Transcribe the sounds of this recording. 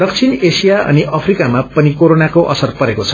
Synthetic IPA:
d̥̪ʌk̚t͡sʰinesijaʔʌ̰niʔʌpʰrikamapʌnikoɾonakoʔʌ̰sʌrpʌɾekot͡sʰʌ̥

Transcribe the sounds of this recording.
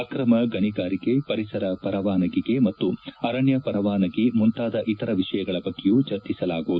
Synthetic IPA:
kɾɐmɐɡɐniɡaːɾiɡepɐɾisɐɾɐpɐɾɐʋaːnɐɡiɡe̞mɐt̪ːuɐɾɐɳjɐpɐɾɐʋaːnɐɡimunt̪aːd̪ɐʔit̪ɐɾɐʋiʂɐjɐɡɐɭɐbɐɡːejuːt͡ʃɐɾt̪isɐlaːɡuʋud̪u

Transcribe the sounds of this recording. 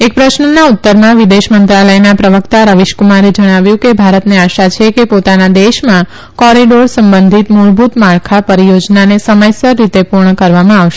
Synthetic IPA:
ek̚pɾəʃnənaut̪ːəɾmãʋid̪eʃmənt̪ɾaləjnapɾəʋəkt̪aɾəʋiʃkumaɾed͡ʒəɽ̃aʋjũkebʱaɾət̪neaʃat͡ʃʰekepot̪anad̪eʃmã | kɔɾiɖoɾsəmbə̃nd̪ʱit̪moɭbʱut̪maɭkʰapəɾijod͡ʒnanesəməjsəɾːit̪epuɾɳəkəɾʋamãaʋʃe

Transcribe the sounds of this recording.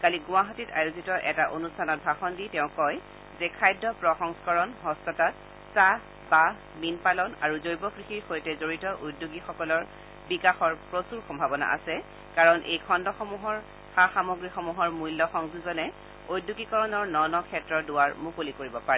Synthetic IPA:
kaliɡʊ̃waɦatita̰juzitɔʔɛtaʔonustʰanɔt̚bʱaxɔnditɛʊ̃kɔj | zɛkʰajdʱɔpɹɔxɔŋskɔɹɔnɦɔstɔtat̚ | sa | ba | minpalɔnaɹuzojbɔkɹixixojtɛzoɹitɔʔudːuɡixɔkɔlɔɹ | bikaxɔɹpɹosuɹxɔmbʱabɔna̰ʔa̰sɛ | kaɹɔnʔḛjkʰɔndɔxɔmuɦɔɹ | xaxamoɡɹixɔmuɦɔɹmujlːɔxɔŋzuzɔnɛ | ojdːuɡikɔɹɔnɔɹnɔnɔkʰɛtɹɔdʊaɹmukolikoɹibɔpaɹɛ

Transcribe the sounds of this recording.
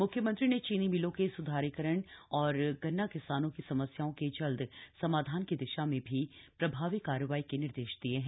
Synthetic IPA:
mʊkʰjəmə̃nt̪ɾinet͡ʃiːnimɪlõkesʊd̪ʱaːɾikəɾəɳ̃ɔːɾɡɐnːakɪsaːnõkisɐməsjaːõked͡ʒɐld̪sɐmaːd̪ʱaːnkid̪ɪʃamẽbʱipɾɐbʱaːʋikːaːɾəʋaːikenɪɾd̪eːʃd̪ieɦɛ̃ː

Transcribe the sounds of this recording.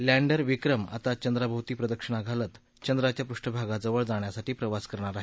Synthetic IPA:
læ̃ɳɖəɾʋikɾəma̰t̪at͡ɕənd̪ɾabʱawt̪iːpɾəd̪əkʂəɳ̃aɡʱalət̪ | t͡ɕənd̪ɾat͡ɕjapɾuʂʈəbʱaɡad͡zəʋəɭd͡zaɳjasaʈiːpɾəʋaskəɾɳ̃aɾaɦe

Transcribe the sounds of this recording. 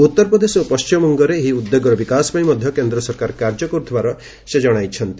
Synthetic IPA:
ut̪ːɔɾpɾɔd̪esopɔst͡ʃimɔmɔŋɡɔɾeːɦiud̪ːeɡɔɾɔbikasɔ̥pãimɔd̪ʱjɔkend̪ɾɔsɔɾkaɾkaɾd͡ʒɔkɔɾut̪ʰibaɾɔ | sed͡ʒɔɽ̃ajt͡ʃʰɔnt̪i

